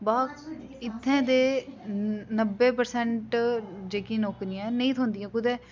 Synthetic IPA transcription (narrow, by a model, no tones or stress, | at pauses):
baːk | ɪt̪ʰːẽːd̪eː | nəbːeːpəɾsɛ̃ɳʈd͡ʒeːkĩːnoːkɾiːãːnəĩːt̪ʰõːnd̪ijãːkʊd̪eː